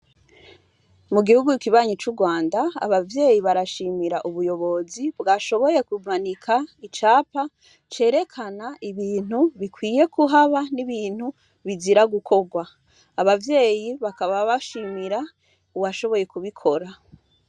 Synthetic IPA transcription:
muɡihuɡukiβaːɲit͡ʃuɡwaːndaa̰βavje̞ːjiβaɾaʃiːmiɾaʔuβujo̞βo̞zibɡaʃo̞βo̞je̞kumanikʰait͡ʃaːpa | t͡ʃe̞ːɾe̞kʰanaiβiːn̥huβikwiːje̞kuɦaβaniβiːn̥hu | βiziɾaɡukʰo̞ɡwaː | βavje̞ːjiβakaβaβaʃiːmiɾa | uwaʃo̞βo̞je̞kuβikʰo̞ɾa

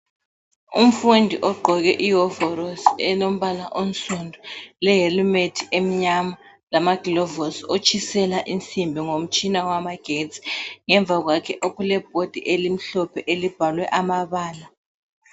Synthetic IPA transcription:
ṵm̩fundʱiʔɔɡ͡ǃʱɔɣɛʔiɔvɔɾɔsɛlom̩βalaʔon̩sʼundʱɔlɛɦelumetʰiem̩ɲama | lamaɡ̥ilɔvɔsot͡ʃʰʼisɛlaʔint͡sʰʼimbʱiŋom̩t͡ʃʼinawamaɡ̥ʱett͡si̥ŋɛɱb̪vʱaɣwakʰɛʔoɣulɛb̥̚ʱod̥ʱiʔelim̩ɬɔpʰɛʔelib̥ʱalwɛʔamaβaːla

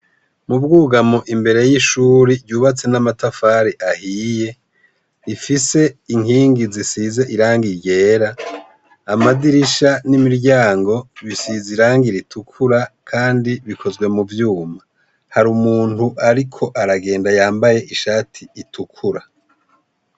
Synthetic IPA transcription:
mubɡuːɡamoʔimbe̞ɾe̞jiʃuːɾiɾɟuːβat͡se̞namatafaːɾiʔahije̞ | ifise̞iŋiːŋɡizisize̞ʔiɾaːŋɡiɾje̞ːɾaː | madiɾiʃanimiɾɟaːŋɡo̞βisiziɾaːŋɡiɾitʰukʰuɾakʰaːndiβikʰo̞zɡwe̞muvjuːma | haɾumuːn̥uʔaɾikʰo̞ʔaɾaɡe̞ːndajaːmbaje̞ʔiʃaːtʰiitʰukʰuɾa

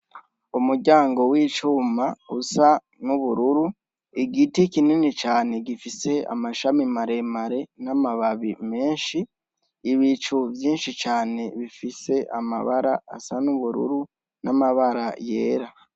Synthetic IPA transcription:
umuɟaːŋɡo̞wiːt͡ʃuːmausa | nuβuɾuɾu | iɡitikininit͡ʃaːne̞ɡifise̞a̰maʃamimaɾe̞maɾe̞namaβaβime̞ːnʃiː | βit͡ʃuvjiːnʃit͡ʃaːne̞βifise̞ʔama̰βaɾaa̰sanuβuɾṵɾu | namaβaɾaje̞ːɾa

